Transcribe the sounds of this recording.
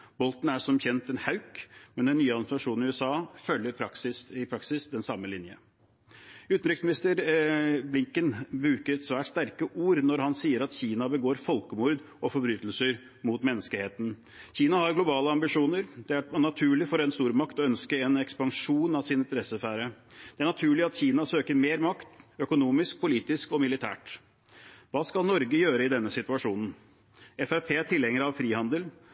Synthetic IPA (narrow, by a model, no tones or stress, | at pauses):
b̥ɔlt̪n̩æʂɔmçɛnt̪ɛnhɑʉkmɛnd̪ɛnːyːəɑd̪sɑʂuːnnɪʉɛsɑːfœljəɾpʰɾɑksɪsɪpʰɾɑksɪsd̪ɛnsɑmːəlɪnjə̰ | ʉːt̪n̩ɾɪksmɪnɪst̪əɾblɪŋkənbɾʉːkəɾɛt̪sʋæːʈst̪æɾkəʔuːɾnɔɾhɑnsiːəɾɑt̪çiːnɑbəɡoːɾfɔlkəmuɾd̪ | ɔfɔɾbɾyːt̪lsəɾ | mʊt̪mɛnːəskəɪheːt̪n̩ | çiːnɑhɑɾɡlʊbɑːləɑmbɪʂuːnəɾd̪̥ɛænɑt̪ʰʉːɭɪfɔɾɛnst̪uːɾmɑkt̪ɔœnskəɛnɛkspɑŋʂuːnɑʋsɪnɪnt̪əɾɛsəfæːɾəd̪̥ɛæɳɑt̪ʰʉːɭɪɑt̪çiːnɑsøːkəɾmeːɾmɑkt̪œkʊnuːmɪsk̚pʰʊliːt̪ɪskɔmɪlɪt̪ʰæ̰ːʈ | ʋɑːskɑlnɔɾɡəjøːɾəɪd̪ɛnːəsɪt̪ʉɑʂuːnən̩ | ɛfæɾpʰeːt̪ʰɪlɛŋːəɾɑʋfɾiːhɑnd̪əl